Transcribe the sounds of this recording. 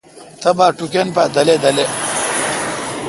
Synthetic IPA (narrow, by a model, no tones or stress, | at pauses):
t̪ɐbaːʈukenpaːd̪ɐled̪ɐle